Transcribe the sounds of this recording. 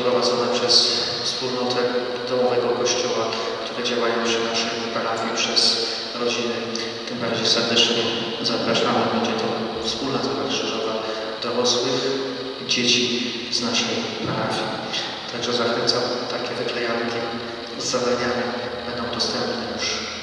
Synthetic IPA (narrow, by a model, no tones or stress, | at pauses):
pɾɔvad̪zɔnɛpʂɛs | fspulnɔt̪ʰɛ | d̪̥ɔwɔvɛɡɔkɔɕt͡ɕɔwa | kt̪uɾɛd͡ʑawajɔ̃w̃ɕɛnaʂɛ | paɾafʲjipʂɛs | ɾɔd͡ʑinɘ | t̪ɨmbaɾd͡ʑejsɛɾd̪ɛt͡ʂɲɛɛ | zapɾaʐamɛbɛɲd͡ʑɛt̪ɔ | fspulnat̪aɾakʂɨʐɔva | d̪̥ɔɾɔswɘx | d͡ʑet͡ɕi | znaʂɛj | paɾafʲji | t̪ʰaɡʐɔzaxɛnt̪sat̪akʲɛvɘklɛjamkʲi | ust̪avaɲamʲɛ | bɛnd̪ɔ̃w̃d̪ɔst̪ɛmpnɛɲuʂ